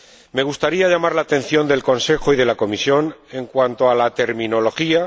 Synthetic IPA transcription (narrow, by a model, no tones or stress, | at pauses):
me̞ɣ̞ust̪aɾiaʝamaɾlaːt̪e̞n̟θjo̞nd̪e̞lko̞nse̞xo̞iðe̞lako̞misjo̞ne̞ŋkwant̪o̞alat̪e̞ɾmĩno̞lo̞xia